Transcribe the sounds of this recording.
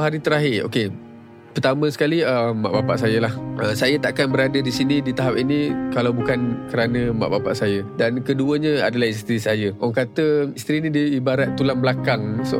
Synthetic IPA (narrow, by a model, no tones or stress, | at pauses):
ɦaɾit̪əɾaɦɪo̰ke | pərt̪amə̃sə̥kaliəmːa̰ʔbapa̰ʔsajəlahəsajat̪aʔkanbəɾadədisinidit̪aɦap̚inikalawbukankəɾanə̃ma̰ʔbapa̰ʔsajədankəduəɲəa̰dalahist̪ɾisajəʔɔŋkat̪əist̪ɾinĩdiibaɾat̪ːulambəlakaŋs